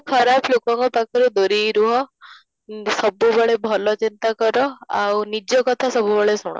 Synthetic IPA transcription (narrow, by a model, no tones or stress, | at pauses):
kʰɔɾaplokɔŋkɔpakʰɔɾud̪oɾiɾuɦɔ | sɔbubɔɭebʱɔlɔt͡ʃint̪akɔɾɔa̰wnid͡ʒjɔkɔt̪ʰasɔbubɔɭesuɽ̃ɔ̰